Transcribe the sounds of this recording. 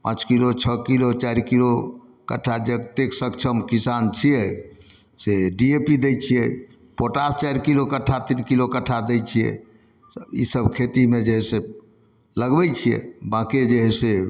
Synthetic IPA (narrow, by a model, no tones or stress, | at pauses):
pãt͡ʃkilot͡ʃʰəkilot͡ʃaɾkilo | kə̰ʈʰːad͡ʒet̪eksəkt͡ʃʰəmkisant͡ʃʰijɛ | seɖiepid̪ɛjt͡ʃʰijɛ | poʈast͡ʃajɾkilokəʈʰːat̪inkilokəʈʰːad̪ɛjt͡ʃʰijɛ̰ | ḭsəbkʰet̪imed͡ʒeɦɛse | ləɡbɛt͡ʃʰijɛ̰bãkid͡ʒeɦɛse